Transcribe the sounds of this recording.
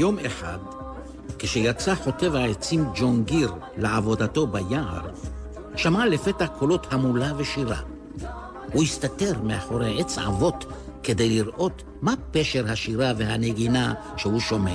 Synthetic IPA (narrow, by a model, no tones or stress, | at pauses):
jo̞meħa̰d̪ | keʃejat͡saħo̞te̞vhaet͡simd͡ʒoŋɡiɾ | leʕavo̞d̪at̪o̞bajaʔa̰ɾ | ʃamalefe̞t̪akʰo̞lo̞t̪hamulaveʃiɾa̰ | hujist̪ate̞ʁmeaχo̞ɾeʔet͡sʕa̰vo̞t̪ | ked̪ejliʁʔo̞t | mapeʃe̞ɾhaʃiɾavehaneɡina | ʃehuʃo̞me